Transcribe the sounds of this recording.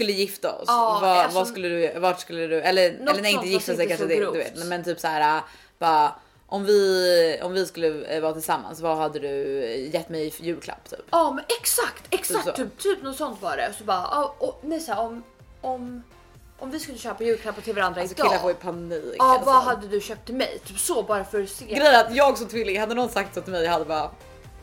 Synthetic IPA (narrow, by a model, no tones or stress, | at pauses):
skɵlːəjɪft̪aɔ̰svɑvaskɵlːəd̪ɵjɾavaʈskɵlːəd̪ɵɛlːəɛlːnæɾɪnt̪əjɪft̪as̬ɛjkanʂəd̪ɛɵvḛːt̪nɛmɛnt̪ʰyːpsæːɾa | b̥ɑː | ʔɔmvɪɔ̰mvɪskɵlːəvɑːt̪ʰɪlsamːa̰nsvɑɦad̪ːəd̪ɵjɛt̪ːmɛjjʉ̟ːlkʰla̰pːt̪ʰy̰ːpɑːɛksakt̪ʰɛksasʰyːpt̪ʰyːp̚nɔt̪sɔnt̪vɑɾɛ̰sɔbɑːʔɑɔnɛsæːɾɔm | ɔm | ʔɔmvɪskɵlːəɕøːpajʉ̟ɾkʰlapːat̪ʰɪlvaɾand̪ɾaɪd̪ɑɪlːapʰoːɪpʰaniːkːvaɦad̪ːəd̪ɵɕœːp̚t̪ʰːɪlmɛ̰jt̪ʰyːpsɔbɑːɾafœɾseːɡɾɛjːɾat̪jɑːɡsɔt̪ʰvɪːlːɪɡhad̪ːənɔɡ̪sak̚t̪sɔt̪mɛjhad̪ːəbɑːɾa